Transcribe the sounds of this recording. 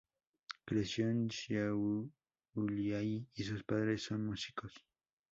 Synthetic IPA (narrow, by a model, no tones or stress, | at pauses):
kɾesjonsja | ʊljajis̬ʊspaðɾesːoŋmusikos